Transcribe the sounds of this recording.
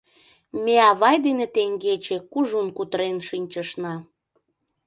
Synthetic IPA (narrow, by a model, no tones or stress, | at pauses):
meɑβɑjd̪enet̪eŋɡet͡ɕekuʒunkut̪ɾenʃinʲt͡ɕəʃnɑ